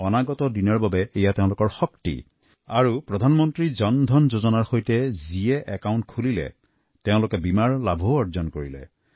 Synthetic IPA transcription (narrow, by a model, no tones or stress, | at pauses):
ɔnaɡɔtɔdinɔɹbabɛːjateʊ̃lʊkɔɹxɔktḭ | aɹupɹɔd̪ʱanmɔntɹizɔnd̪ʱɔnzozɔnaɹxojtɛziɛʔɛkaʊntkʰulilɛ̰ | teʊ̃lʊkɛbimaɹlabʱoɔɹzɔnkoɹilɛ̰